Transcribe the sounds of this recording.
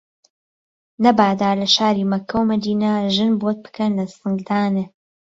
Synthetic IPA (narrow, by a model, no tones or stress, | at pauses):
nɐbaːd̪aːɾlɐʃaːɾiːmɐkʰːɐwmɐd̪iːnaʒɨnbot̪̚pɨ̥kɐnlɐsɨŋɡd̪aːne